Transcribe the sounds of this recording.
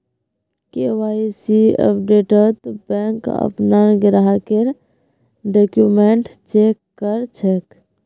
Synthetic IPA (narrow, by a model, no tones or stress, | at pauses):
kewaːisiə̰pɖeːʈət̪bɛ̃ŋkə̰pnanɡɪɾaɦakeɾ | ɖokjumeɳʈt͡ʃekːəɾt͡ʃʰek